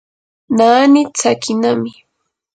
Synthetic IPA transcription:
naːnɪt͡sakɪnamɪ

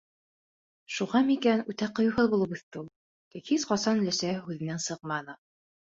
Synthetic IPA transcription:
ʃuʁɑmikænʉt̪æqŏjuhɤðbulˠɤpuθt̪ːɘulˠ | kækʰisqɑsɑnlæsæhʉðɘ̆nænsɤq̚mɑnɤ

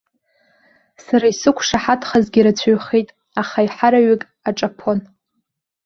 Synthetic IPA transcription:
saɾaisɨkʷʰʂaħatʰχazɡʲiɾat͡sʷʰaɥχejtʼ | aχaiħaɾaɥɪkʼ | aʈ͡ʂʼapʰo̞n

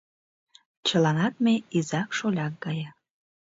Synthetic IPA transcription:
t͡ɕəlɑnɑt̪̚meizɑkʃolʲɑk̚ɡɑjɑ

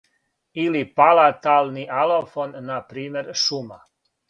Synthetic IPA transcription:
ilipalat̪aːlniʔalofonːapɾiːmeɾʃuma

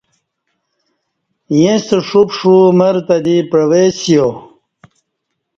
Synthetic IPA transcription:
jẽseʂupʂumɐɾt̪ɐd̪ipɾɐwesjo

